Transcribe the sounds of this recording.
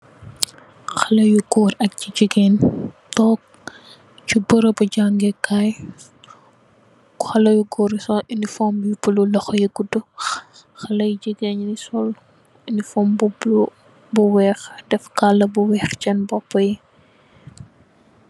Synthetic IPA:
xɐlɐjuɡɔːɾɐk̚ciɟiɡeːntɔk̚ | cubəɾɐbɐɟaŋɡɛkaj | kuxɐlɐjuɡɔːɾisɔinifɔmjupululɐxjiɡudu | xɐlɐjiɟiɡeːninisɔl | inifɔːmbubu | buwɛːxdɛfkalːɐbuwɛːxt͡ʃɛnbɔpːɐji

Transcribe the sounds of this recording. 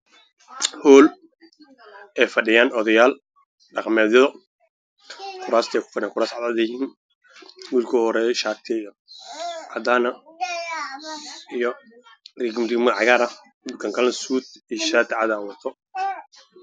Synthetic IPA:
hɔːl | ɛːfɐɖɪjaːnɔðɐjaːl | ɖɑqmɛːðɐðɔ | kʰʊɾaːst̪ʰɛːkʊ̥fɐnɛŋkʰʊɾaːsʕɑd̪ad̪ɐjɦiːn | wuːlkʰɔːhɔɾɛʃaːɾt̪ʰɪjɔ | ʕɑ̰d̪aːnɐ | ijɔrɪɡmrɪɡmɐʕɑɣaːɾɐ | kʰɐŋkʰɐlɐnsuːt̪iʃat̪ʰɪʕɑd̪aːwɐt̪ʰɔ

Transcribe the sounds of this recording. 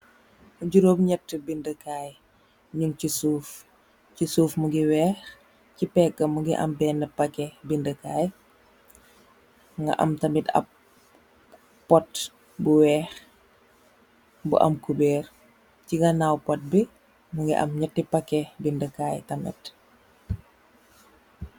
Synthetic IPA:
uɟuɾoːpɲɛtːəbindəkaːj | ɲuŋcisuːf | cisuːfmuŋɡiwɛːx | cipɛːk̚ːɐmuŋɡiʔɐ̰mbɛːnːɐpɐkːɛbindəkaːj | ŋɡɐ̰ʔɐ̰mtɐmitɐ̰p̚ | pːɔt | buwɛːx | bṵʔɐ̰mkubɛːr | ciɡɐnawpɔt̚bi | muŋɡḭʔɐ̰mɲɐtːipɐkːɛbindəkaːjtɐmɛ̰t

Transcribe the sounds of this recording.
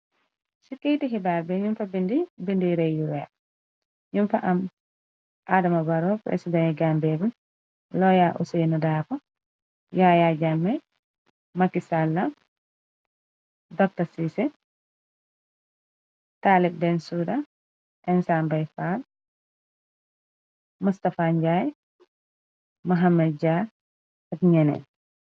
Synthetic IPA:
sikːijtiɦibalbɛɲumfabindibindiɾejjuwɛ | ɲumfaʔam | ʔadamabaɾɔpɾḛsidɛnɛɡambɛbun | lɔjaʔṵsenudaːfa | jajad͡ʒamːɛ | makisalːa | dɔk̚tɐsisɛ | taːlib̚dɛnsudɐ | ɛnsambajfal | mustɐfand͡ʒaj | mɐɦamɛd̚d͡ʒa | ɐkɲɛnɛ̰n

